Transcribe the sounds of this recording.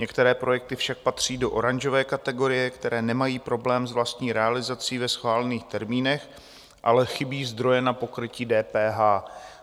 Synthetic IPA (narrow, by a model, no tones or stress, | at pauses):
ɲɛkt̪ɛɾɛːpɾo̞jɛk̚t̪ɪfʃak̚pat̪r̝̥iːdo̞ʔo̞ɾaɲʒo̞vɛːkat̪ɛɡo̞ɾɪjɛkt̪ɛɾɛːnɛmajiːpɾo̞blɛːmzvlast̪ɲiːɾɛalɪzat͡siːvɛsxvaːlɛniːxt̪ɛɾmiːnɛx | ʔa̰lɛxɪbiːzd̪ɾo̞jɛnapo̞kɾɪciːdɛːpɛːɦaː